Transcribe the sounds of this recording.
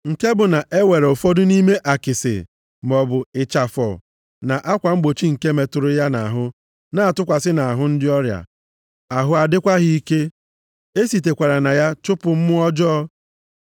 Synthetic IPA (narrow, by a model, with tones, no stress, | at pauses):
ŋ̩˨ke˦bʊ˨na˨ʔe˦we˨ɾo˨fɔ˦dʊ˦ni˦me˦ʔa˨kɪ˨sɪ̰˨ | m˨ɔ˨bʊ˨ɪ˨t͡ʃa˨fɔ̰˨ | na˨ʔa˦kʷa˨ŋ͡m̩˦ɡ͡bo˨t͡ʃi˦ŋ̩˨ke˦me˨tʊ˨ɾʊ˦ja˦na˨a˨ɦʊ˦ | na˦a˨tʊ˦kʷa˨sɪ˦na˨a˨ɦʊ˦n̩˦dɪ˦ɔ˦ɾja̰˨ | a˨ɦʊ˦a˨dɪ˦kʷa˦ɦɪ˦i˦ke˦ | e˦si˨t̬e˨kʷa˨ɾa˨na˨ja˦t͡ʃʊ˦pʊ˨m̩˦mʊ˦ɔ˦d͡ʒɔ˦